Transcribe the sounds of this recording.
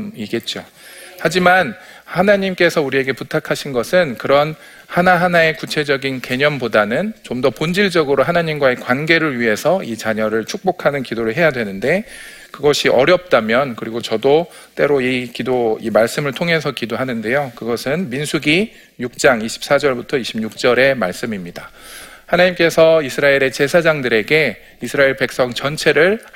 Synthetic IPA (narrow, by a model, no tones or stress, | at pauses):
iɡe̞t̚t͡ɕ͈o | had͡ʑiman | hanaɲimk͈e̞sʰʌuɾie̞ɡe̞putʰakʰaɕʰinɡʌsʰɯnkɯɾʌn | hanaɦanae̞kut͡ɕʰe̞d͡ʑʌɡinke̞ɲʌnpodanɯnt͡ɕomdʌpond͡ʑiɭd͡ʑʌɡɯɾoɦanaɲimɡwae̞kwanɡe̞ɾɯɭɥiɦe̞sʰʌit͡ɕaɲʌɾɯɭt͡ɕʰuk̚p͈okʰanɯnkidoɾɯɭɦe̞jadwe̞nɯnde̞ | kɯɡʌɕʰiʔʌɾjʌp̚t͈amjʌnkɯɾiɡot͡ɕʌdo | t͈e̞ɾoikidoimaɭs͈ɯmɯɭtʰoŋɦe̞s̬ʰʌkidoɦanɯnde̞jokɯɡʌsʰɯnminsʰuɡi | juk̚t͡ɕ͈aŋiɕʰi̥p̚s͈ad͡ʑʌɭbutʰʌiɕʰimɲuk̚t͡ɕ͈ʌɾe̞maɭs͈ɯmimɲida | hanaɲimk͈e̞sʰʌisʰɯɾaeɾe̞t͡ɕe̞sʰad͡ʑaŋdɯɾe̞ɡe̞ | isʰɯɾaeɭpe̞k̚s͈ʌŋt͡ɕʌnt͡ɕʰe̞ɾɯɭ